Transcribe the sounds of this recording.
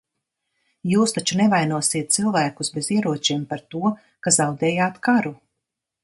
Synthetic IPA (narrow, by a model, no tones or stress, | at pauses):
juːst̪at͡ʃunɛvajnuɔsiɛt̪̚t̪silˠvæːkusbeziɛɾuɔt͡ʃiɛmpaɾt̪uɔ | kazawd̪ɛːjaːt̪kaɾu